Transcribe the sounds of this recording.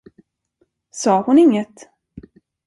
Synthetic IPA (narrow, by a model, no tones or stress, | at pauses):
sɑːhʊnɪŋːət̪